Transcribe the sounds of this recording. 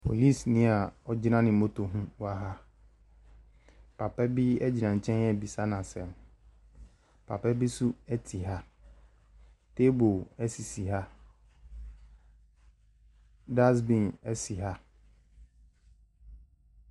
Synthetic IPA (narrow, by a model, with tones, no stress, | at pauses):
pʰo̰˨li˦˨snɪ̃˦a˨ɔ˨d͡ʑɪ˦nã˦nɪ̃˨mo˦tʰo˨ɦũ˦wa˦ɦa˦ | pʰa˨pɛ˦bi˦ɛ˦d͡ʑi˨nã˨ɲ̩˨t͡ɕʰɛ̃˦nɛ˦˨bi˨sa˦nã˨sɛ˨m | pʰa˨pɛ˦bi˦su˦ɛ˦tʰi˨ɦa˦ | tʰe˦bo˨ɛ˦si˨si˨ɦa˦ | da˦s̬bĩ˨nɛ˦si˨ɦa˦